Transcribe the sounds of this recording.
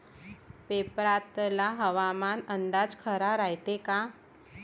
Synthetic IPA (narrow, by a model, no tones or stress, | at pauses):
pepɾat̪laɦəʋamanənd̪ad͡zkʰəɾaɾajt̪eka